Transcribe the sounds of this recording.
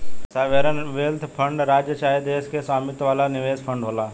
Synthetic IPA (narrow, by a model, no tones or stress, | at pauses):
saːʋeɾənʋeːlt̪ʰpʰə̃ɳɖɾaːd͡ʒjət͡ʃaːed̪eːskeswaːmɪt̪ʋaːlanɪʋeːzpʰə̃ɳɖɦoːlaː